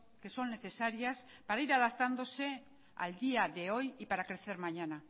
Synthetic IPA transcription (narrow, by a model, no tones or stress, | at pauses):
ke̞so̞ŋne̞θe̞saɾjas | paɾaiɾaðak̚t̪and̪o̞se | a̰ld̪iaðeojipaɾakɾe̞θeɾmaɲana